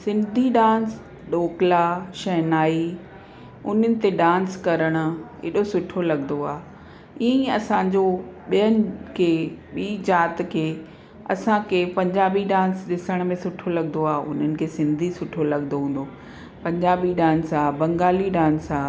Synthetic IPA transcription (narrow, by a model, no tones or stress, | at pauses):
sɪ̃nd̪ʱiɖãːns | ɗoːklaʃɐɦnaːi | ʊn̤ənɪ̆t̪eɖãːnskɐɾəɽ̃ʊ̆ḛɗosʊʈʰolɐɡnd̪oaː | iə̃ĩɐsãɲd͡ʑoɓijənɪ̆kʰeːɓiːd͡ʑaːt̪kʰeː | ɐ̰sãkʰeːpɐ̃ɲd͡ʑaːbiɖãːnsɗɪsəɽ̃̆mẽsʊʈʰolɐɠnoaːʊ̰n̤ənɪ̆kʰeːsɪ̃nd̪ʱisʊʈʰolɐɠnoɦũːn̆d̪o | pɐ̃ɲd͡ʑaːbiɖãːnsaːbɐ̃ŋɡaːliɖãːnsaː